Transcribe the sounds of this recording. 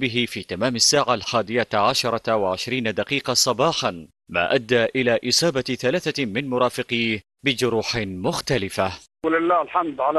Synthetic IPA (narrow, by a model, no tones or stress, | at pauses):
bɪɦɪfiːt̪amaːmasːaːʕalħaːd̪ɪjaʕaʃɑɾˤɑwaʕɪʃɾiːnad̪aqiːqɑsˤɑbɑːħan | ma̰ːʔad̪ːaːʔɪlaːʔɪsˤɑːbaθalaːθamɪnmʊɾˤɑːfɪqiːh | bɪd͡ʒʊɾuːħɪmʊxt̪alɪfa | lɪlːaːlħamd̪ʕal